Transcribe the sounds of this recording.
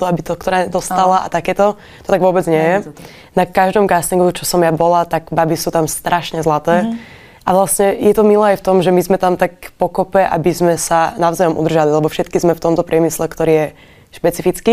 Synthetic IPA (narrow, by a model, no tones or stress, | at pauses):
t̪ɔabit̪ɔkt̪ɔɾaːɲɛd̪ɔst̪alaʔa̰t̪akɛːt̪ɔ | t̪ɔ̥t̪aɡʋʊɔbɛd͡zɲɪɛjɛ | nakaʒd̪ɔmkasliŋkut͡ʃɔsɔmjabɔlat̪aɡbabisut̪amst̪ɾʔaʃɲɛzlat̪ɛː | ʔaʋlasɲɛjɛt̪ɔmilɛːajft̪ɔmʒɛmizmɛt̪amt̪akpɔkɔpɛʔa̰bizmɛsanaʊzajɔmṵd̪ɾr̩ʒalilɛbɔfʃɛt̪kizmɛft̪ɔmt̪ɔpɾɪɛmislɛkt̪ɔɾiːjɛ | ʃpɛt͡sifit͡ski